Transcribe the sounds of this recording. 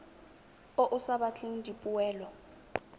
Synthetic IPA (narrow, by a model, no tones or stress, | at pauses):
oʔusaɓat͡ɬʰʼindʱipʼuwɛːlɔ